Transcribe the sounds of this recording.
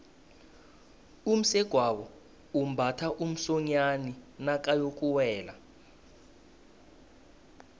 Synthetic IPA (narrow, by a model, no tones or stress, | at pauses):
um̩sɛɡ̥ʱwawɔ | um̩bʱatʰaʔum̩sɔɲaninak̬ʼajok̬ʼuwɛːla̰